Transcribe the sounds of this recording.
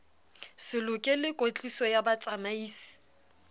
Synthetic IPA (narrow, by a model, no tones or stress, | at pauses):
sɪlʊkʼelɪkʼot͡ɬʼisɔjabat͡sʼamaiːsi̥